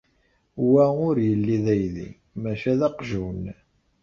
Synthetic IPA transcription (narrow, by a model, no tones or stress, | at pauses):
wæʊɾjəlːiðæjðḭ | mæʃæðɑqʒun